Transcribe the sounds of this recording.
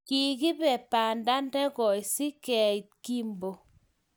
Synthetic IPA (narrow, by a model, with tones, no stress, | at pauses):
ki˨ki˦pɛ˨pa˨nda˦ndɛ˦kɔ˨jsi˦kɛ˨i˨t̚ki˦mbo˨